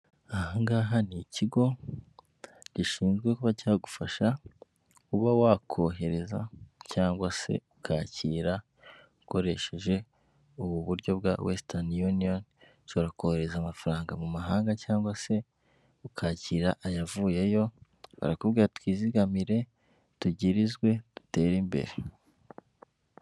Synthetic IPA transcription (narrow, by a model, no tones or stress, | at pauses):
ahaŋɡaːɦaniciɡo̞ | ɟiʃiːnzɡwe̞kuβacaɡufaʃa | kuβawaːkʰo̞ɦe̞ɾe̞za̰caːŋɡwase̞̰ukʰaːciːɾa | uko̞ɾe̞ʃe̞ʒe̞ | uβuβuɾɟo̞bɡa̰wʔestaniunion | t͡ʃoɾako̞he̞ɾe̞zamafaɾaːŋɡamumaɦaːŋɡacaːŋɡwase̞ | ukʰaːciːɾaʔajavuːje̞jo̞ | βa̰ɾakubɡiːɾatwiːziɡamiɾe̞ | tuɟiɾizɡwe̞d̥ute̞ːɾimbe̞̰ɾe